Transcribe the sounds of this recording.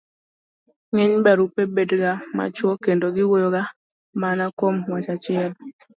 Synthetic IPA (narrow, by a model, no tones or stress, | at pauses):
ŋɪɲbɛɾupebedɡama̰t͡ʃwɔkendoɡɪwojoɡa | manakomwat͡ʃat͡ʃɪɛl